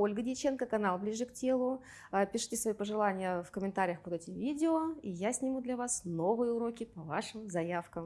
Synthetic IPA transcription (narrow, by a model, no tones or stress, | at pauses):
olʲɡədʲɪt͡ɕe̞nkəkɐnalˠblʲiʐɨktʲe̞lˠʊ | pʲɪʂɨ̥tʲɪsvɐipəʐɨlˠanʲɪjəfkəmʲɪnt̪aɾʲɪjəxpod̪ɛtʲɪmvʲidʲɪoijasʲnʲɪmud̪lʲɐvasno̞vɨjəʊɾo̞kʲɪpɐvaʂɨmzɐjafkəm